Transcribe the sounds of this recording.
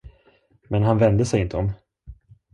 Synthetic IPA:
mɛnɦanvɛnd̪əsɛjɪnt̪ʰəɔm

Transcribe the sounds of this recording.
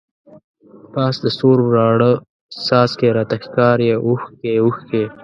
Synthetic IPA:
pɑːsd̪əsoɾbɾɑːɽə | sɑːskeɾat̪axkɑːɾjeʔuxkeuxkeː

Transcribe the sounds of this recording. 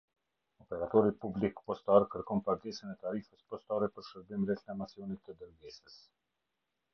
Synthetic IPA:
ɔpɛɾat̪ɔɾipublikpɔst̪aɾkəɾkɔnpaɾɡɛsənɛt̪aɾifəspɔst̪aɾɛpəɾʃəɾbimɾɛtnamasjɔnit̪ːəd̪əɾɡɛsəs

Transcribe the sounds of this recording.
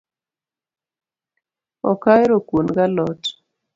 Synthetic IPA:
ɔ̰kajɾokunɡalɔt

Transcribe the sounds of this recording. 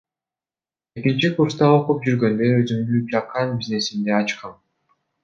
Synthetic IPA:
e̞kint͡ʃikuɾst̪ɑoqup̚d͡ʒyɾɡø̞nd̪ø̞øzyŋd̪ypʲɑqʰːɑnbʲizne̞sind̪e̞ɑt͡ʃqɑn

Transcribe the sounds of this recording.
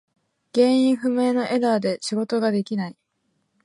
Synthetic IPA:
ɡ̥ẽ̞ɰ̃ĩɰ̃ɸɯ̟me̞ːno̞ʔe̞d̪aːd̪e̞ɕiɡo̞t̪o̞ɡad̪e̞kʲinai

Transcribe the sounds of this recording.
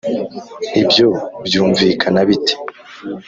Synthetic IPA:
ibjo̞bjuːɱvikʰanaβite̥

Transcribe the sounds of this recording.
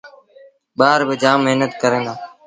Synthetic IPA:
ɓaːɾbɪd͡ʒaːmːeɦnət̪kəɾẽːnd̪aː

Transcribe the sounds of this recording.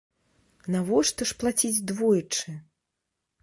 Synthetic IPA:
navɔʂt̪ɐʂplˠat͡sʲid͡zʲd̪vɔjit͡ʂɨ

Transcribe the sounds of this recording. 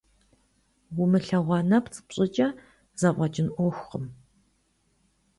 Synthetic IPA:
wʊmɨɬɐʁʷɑnɐpt͡sʼɨ̥pɕʼɪt͡ʃʼɐ | zɐʔʷʼɐt͡ʃʼɪnʔʷɔxʷχəm

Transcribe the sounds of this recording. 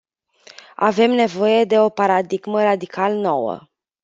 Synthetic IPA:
a̰ve̞mne̞vo̞je̞d̪e̞o̞paɾad̪iɡməɾad̪ikʰalno̞wə̰

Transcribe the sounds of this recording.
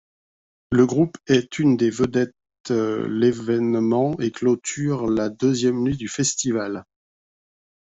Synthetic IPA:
ləɡʁupɛt̪ʰynd̪evəd̪ɛt̪ | levɛnmɑ̃eklot̪yʁlad̪øzjɛmnɥid̪yfɛst̪ival

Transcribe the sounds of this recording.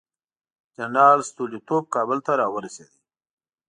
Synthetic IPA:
d͡ʒanɑlst̪ulit̪ob̚kɑbəlt̪aɾɑwəɾased̪i

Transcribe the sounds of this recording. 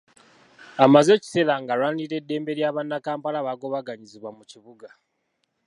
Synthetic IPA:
amaze̞ci̥se̞ːlaŋɡaɾwaːniɾe̞dːe̞ːmbe̞ɾjaːβanːakaːmpalaβaɡo̞βaɡaɲiziβwamuciβuɡa

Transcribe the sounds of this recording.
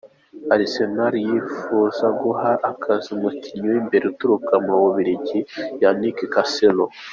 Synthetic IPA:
aɾisenaɾijifuzaɡuɦaʔːkʰaziumuciɲoimbe̞ɾeutuɾukamuɾoβoβiɾiɟijanikekaselo

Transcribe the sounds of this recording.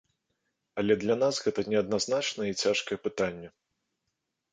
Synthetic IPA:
ɐlʲɛd̪lʲɐnasɣɛt̪ɐnʲɛɐd̪naznat͡ʂnɐjit͡sʲaʂkɐjɛpɨt̪anʲːɛ

